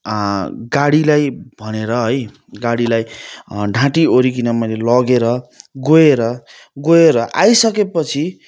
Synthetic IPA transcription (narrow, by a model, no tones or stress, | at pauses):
ɡaɽilajbʱʌneɾʌɦʌj | ɡaɽilajɖʱãʈioɾikinʌmʌjlelʌɡeɾʌɡoeɾʌ | ɡoeɾʌʔajsʌkepʌt͡sʰi